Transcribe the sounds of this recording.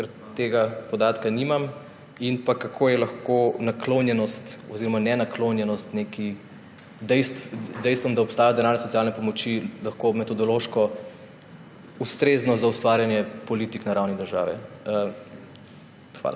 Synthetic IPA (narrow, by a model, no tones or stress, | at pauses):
kɛɾ | t̪eɡapɔd̪aːt̪kanimam | inpakakʰoːjɛlaxkonaklonjɛnɔst̪ɔziɾɔmanɛnakloːnjɛnɔst̪neki | d̪ɛjst̪d̪ɛjst̪ʋɔmd̪aɔpst̪aːjad̪ɛnaːɾnɛsɔt̪ijalnɛpɔmɔt͡ʃilɐxkomɛt̪ɔd̪ɔloːʃkɔ | ust̪ɾeːznɔzaust̪ʋaːɾjanjɛpɔlit̪iknaɾawnid̪əɾʒa̰ːʋɛ̰ | xʋa̰la̰